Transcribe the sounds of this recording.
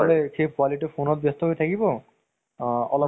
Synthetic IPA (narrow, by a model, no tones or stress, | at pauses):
lekʰefkwaliʈefonot̪̚best̪oɦoet̪ʰakibo | ɔlɔ